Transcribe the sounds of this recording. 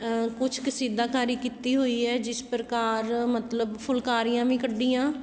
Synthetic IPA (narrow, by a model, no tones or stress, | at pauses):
kʊt͡ʃʰkəsiːd̪aːkaːɾiːkiːt̪iːɦoːiːɛːd͡ʒɪspɾəkaːɾmət̪ləbpʰʊlkaːɾijãːʋĩːkəɖːiːãː